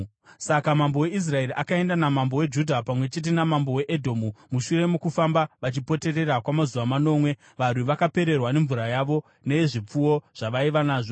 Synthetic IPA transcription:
sakamambo̞we̞is̬rae̞ɾiʔakae̞ndanamambo̞we̞d͡ʒudʱapamwe̞t͡ʃe̞t̬enamambo̞weʔedʱomumuʃure̞mukufambaʋat͡ʃipo̞te̞re̞rakwamazuʋamano̞ːmwe̞ | ʋarwiʋakape̞ɾe̞rwane̞ɱvuɾajaʋo̞ | neʐip͡fuwo̞ʐ̥aʋaiʋanaːʐo

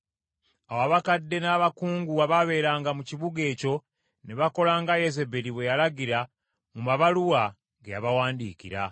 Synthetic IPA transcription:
awaβakadːe̞naːβakuːŋɡuaβaβe̞ːɾaːŋɡamuciβuɡe̞ːco̞ | neβako̞laːŋɡajeze̞beliβwe̞jalaɡiɾa | mumaβaluwa | ŋɡejaβawaːndikḭɾa̰

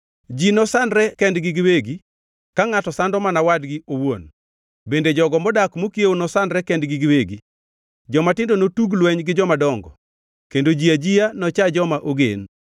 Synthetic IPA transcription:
d͡ʒinɔsandɾɛkɛndɡɪɡɪweɡi | kaŋatɔsandɔmanawadɡiowon | bended͡ʒɔɡɔmɔdakmokjeonɔsandɾɛkɛndɡɪɡɪweɡi | d͡ʒɔmatɪndonotuɡlwɛɲɡɪd͡ʒɔmadɔŋɡɔ̰ | kendod͡ʒiad͡ʒianɔt͡ʃad͡ʒɔmaʔoɡḛn

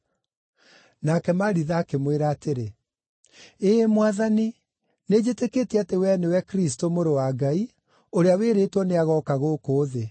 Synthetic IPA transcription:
naːkɛmaɾiðaːkemweɾaːteɾe | emwaðani | ned͡ʑeteketɛatewɛnɛwɛkɾis̬tomoɾowaɡai | oɾeaweɾeːtwɔneaɣɔkaɣoːkoːðe

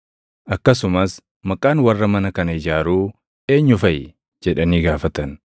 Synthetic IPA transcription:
ʔɐkːɐs̬ʊmɐs | mɐkʼaːnwɐrːɐmɐnɐkɐnɐɪd͡ʒaːɾuː | e̞ːɲːʊfɐj | d͡ʒɛᶑɐniːɡaːfɐt̪ɐn

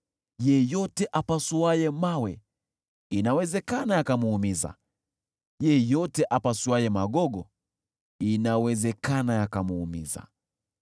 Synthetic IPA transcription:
jɛjɔtɛʔapasuwajɛmawɛ | inawɛzɛkanajakamuumiza̰ | jɛjɔtɛʔapasuajɛmaɠɔɠɔ | inawɛzɛkanajakamuumiza̰

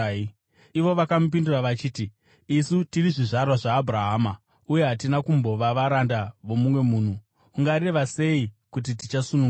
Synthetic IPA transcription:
iʋo̞ʋakamup̬induraʋat͡ʃiːtiː | sutiriʐiʐarwaʐaːbʱraɦaːma | uje̞ɦatinakumbo̞ʋaʋaɾandaʋo̞mumwe̞muːn̤uː | ŋɡaɾe̞ʋase̞ikut̬it̬it͡ʃasunu

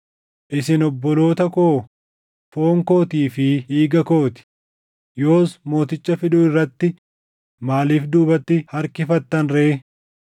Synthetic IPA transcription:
ʔɪsɪnɔbːɔlo̞ːt̪ɐko̞ː | foːŋko̞ːt̪iːfɪiːɡɐko̞ːt̪ɪ̥ | jo̞ːsmo̞ːt̪ɪt͡ʃːɐfɪᶑʊːɪrːɐt̪ːɪ | maːliːfd̪uːbɐt̪ːɪhɐɾkɪfɐt̪ːɐnɾeː

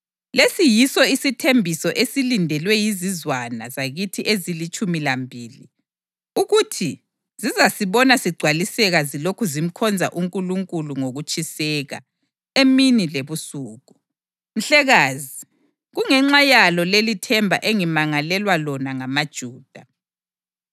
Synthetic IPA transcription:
lesijisɔisitʰembʱisɔʔesilindʱɛlwɛjizizwanazaɣitʰiʔezilit͡ʃʼumilambʱiːli | uɣutʰi | z̥izasiβɔnasiɡ͡ǀʱwalisɛɣazilokʰuzim̩kʰɔnd͡zʱa̰ʔuŋkʼuluŋkʼuluŋoɣut͡ʃʼisɛɣa̰ | eminileβusuːɣu | m̩ɬɛɣaːzi | ɣuŋɛŋ͡ǁajalɔlelitʰɛmbʱa̰ʔeŋimaŋalɛlwalɔnaŋamad̥ʒ̥ʱuːd̥ʱa

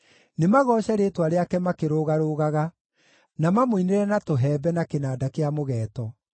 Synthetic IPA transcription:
nemaɣɔːɕɛɾeːtwaɾeakɛmakeɾoɣaɾoɣaɣa | namamoineɾɛnatoɦɛːbɛnakenaːdakeamoɣɛːtɔ

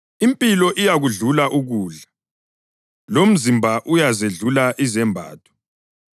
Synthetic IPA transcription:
impʼilɔʔijaɣuɮulaʔuɣuːɮa | lom̩zimbʱaʔujazeɮulaʔizɛmbʱa̰ːtʰʼɔ̥

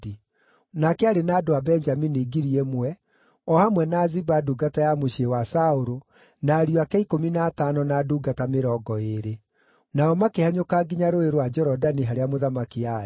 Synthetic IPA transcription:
i | nakɛaɾenaːdoabɛɲd͡ʒamineɡiɾiemwɛ | ɔhamwɛnaːzibaduɡatajamoɕewasaoɾo | naːɾioakɛikominaːtanɔnaduːɡatameɾɔɡɔeɾe | naɔmakehaɲokaːɡiɲaɾoeɾwad͡ʒɛɾɔdaniɦaɾeamoðamakiaɛ

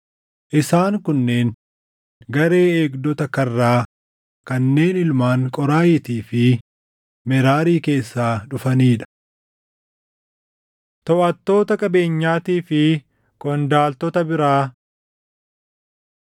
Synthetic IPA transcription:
ʔɪsaːŋkʊnːe̞ːŋ | ɡɐɾe̞ːeːɡd̪ɔt̪ɐkɐrːaː | kɐnːe̞ːnɪlmaːŋkʼɔɾaːjɪt̪iːfɪ | mɛɾaːɾiːke̞ːsːaːᶑʊfɐniːᶑɐ̥ | t̪ɔʔɐt̪ːo̞ːt̪ɐkʼɐbe̞ːɲːaːt̪iːfɪ | kʼɔnd̪aːlt̪ɔt̪ɐbɪɾaː

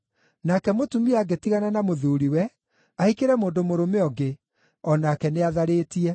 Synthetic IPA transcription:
nakɛmotumiaɡetiɣananamoðuːɾiwɛ | aikeɾɛmoːndomoɾomeɔɡe | ɔnakɛneaðaɾeːtiɛ

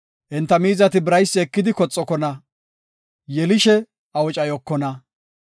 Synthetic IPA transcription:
ʔɛnt̪ːɐmiːzɐt̪ɪbɪɾɐjsːɪɛkːɪd̪ɪkɔt͡sʼːɔkɔnɐ | jɛlɪʃɛ | ɐwɔt͡ʃʼɐjɔkːɔnɐ

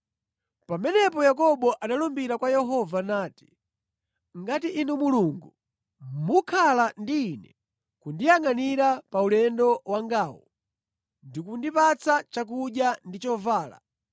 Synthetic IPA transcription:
pamɛnɛpɔjakɔɓɔʔanalumbiɾakwajɛɦɔvanaːti̥ | ŋɡatiʔinumuluŋɡu | mukʰalandiːnɛ | kundijaŋaniɾapaulɛndɔwaŋɡaːwɔ | ndikundipat͡sat͡ʃak̬uɗjandit͡ʃɔvaːla̰

